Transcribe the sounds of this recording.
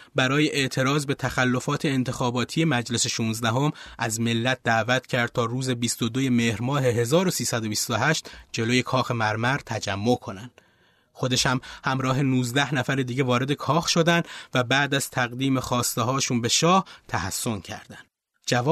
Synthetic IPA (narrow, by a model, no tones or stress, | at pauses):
bæɾɒːje̞ʔeʔt̪ʰe̞ɾɒːzbe̞t̪ʰæxælːo̞fɒːt̪ʰe̞ːnt̪ʰe̞xɒːbɒːt̪ʰije̞mæd͡ʒle̞se̞ʃuːnzd̪æɦo̞mʔæzme̞lːæt̪̚d̪æːvæt̪ʰcʰæɾd̪̚t̪ʰɒːɾuːze̞bist̪o̞d̪oje̞me̞hɾmɒːhe̞ɦe̞zɒːɾo̞siːsæd̪o̞bist̪oɦæʃt̪d͡ʒe̞loːje̞kʰɒːxe̞mæɾmæɾt̪ʰæd͡ʒæmːo̞kʰo̞nænd̪̥ | xo̞d̪e̞ʃhæmhæmɾɒːɦe̞nuːzd̪æhnæfæɾed̪iːɟevɒːɾe̞d̪e̞kʰɒːxʃo̞d̪ænd̪væbæːd̪æz̥t̪ʰæɣd̪iːme̞xɒːst̪eɦɒːʃuːnbe̞ʃɒːht̪ʰæhæsːo̞ncʰæ̰ɾd̪ænd̪ | d͡ʒævɒː